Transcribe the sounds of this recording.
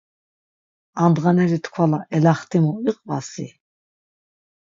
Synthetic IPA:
and̪ʁanɛɾit̪ʰkʰwalaɛlaχt̪ʰʼimuiqʼvasi

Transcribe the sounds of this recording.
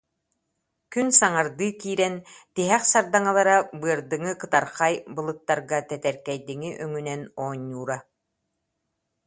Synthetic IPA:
kynsaŋaɾd̪ɯːkiːɾɛnt̪iɦɛχsaɾd̪aŋalˠaɾabɯɐɾd̪ɯŋɯkɯt̪aɾχajbɯlˠɯt̪ːaɾɡat̪ɛt̪ɛɾkɛjd̪iŋiʔœŋynɛnɔːɲːuːɾa

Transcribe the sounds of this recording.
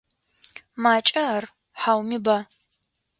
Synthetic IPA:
maːt͡ʃʼɐr | ħawmiba

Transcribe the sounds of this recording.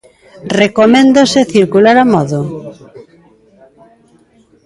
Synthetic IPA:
rekomẽnd̪oseθiɾkulaɾamɔðo

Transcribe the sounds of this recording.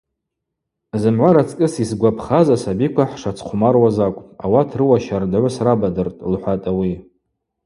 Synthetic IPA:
zɨmʕʷaɾat͡sʰʼkʼɨsisɡʷapʰχazasabikʷʰaħʂat͡sʰqʷʰʊmarwazakʷʼa̰watʰrɨwaʃardʕʷʊsrabadɨrtʼlħʷatʼawi

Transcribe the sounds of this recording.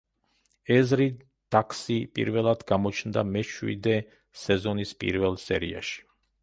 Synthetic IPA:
ɛzɾi | d̪̥akʰsipʼḭɾvɛlˠad̪ɡamɔt͡ʃʰnd̪amɛʃwḭd̪ɛ | sɛzɔnispʼḭɾvɛlˠsɛɾia̰ʃi̥

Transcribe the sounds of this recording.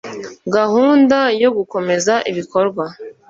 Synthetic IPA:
ɡahuːndajo̞ɡuko̞me̞zaʔiβiko̞ɾɡwa

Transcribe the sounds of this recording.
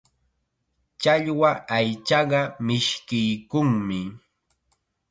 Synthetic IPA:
t͡ʃaʎwaajt͡ʃɑɢɑmɪʃkɪjkʊŋmɪ

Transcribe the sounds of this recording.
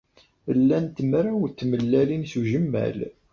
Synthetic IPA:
əlːænt̪mɾawt̪ːməlːælinsuʒəmːæ̰l

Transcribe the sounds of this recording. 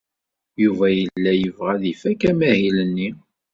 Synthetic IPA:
juvæjəlːæjəvʁæðifækæmæhilənːi

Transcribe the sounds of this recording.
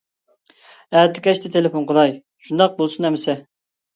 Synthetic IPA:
æt̪ʰɪkʲɛʃt̪ʰɪt̪ʰelefonqəd̪ɑj | ʃund̪ɑq̚bolˠsunɛmɪsɛ

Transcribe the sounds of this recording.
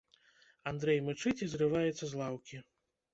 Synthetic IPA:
and̪ɾɛjmɨt͡ʂɨt͡sʲizrɨvajɛt̪sːɐzlˠawkʲi

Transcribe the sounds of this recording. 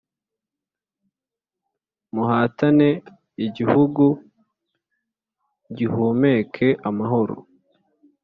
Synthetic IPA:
muhaːtane̞ | iɟihuɡu | ɟihuːme̞ːkʰe̞ʔamaɦo̞ɾo̰

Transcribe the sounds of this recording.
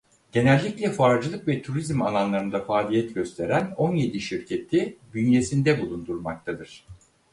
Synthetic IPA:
ɟ̥e̞nɛlʲːiclʲɛfaɾd͡ʒɯlˠɯkvɛt̪ʰuɾizmalˠanlˠaɾɯnd̪afaːlʲijɛt̪ɟø̞st̪ʰe̞ɾæno̞nje̞d̪iʃiɾcʰe̞t̪ʰibynje̞sind̪ɛbulˠund̪uɾmak̚t̪ʰad̪ɯɾ̥

